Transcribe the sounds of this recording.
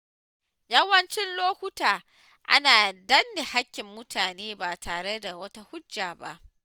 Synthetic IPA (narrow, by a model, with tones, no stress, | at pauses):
jɐ˦wɐ˦nt͡ʃɪ˦nloː˦hʷʊ˦taː˨ | ʔa̰˦naː˨dɐ˦nːɪ˨ha˦kʲːɪ˨mːʊ˦tʰaː˨neː˦baː˨taː˨ɽe˦da˨wɐ˦ta˦hʊ˦d͡ʒːaː˨ba̰˦ʔ